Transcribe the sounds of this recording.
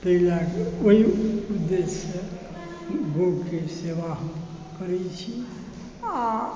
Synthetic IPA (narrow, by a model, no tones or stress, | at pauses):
p̪əɦilakoiud̪ːese | ɡʱoɡkeseʋaɦə̃m | kəɾɛt͡ʃʰi | a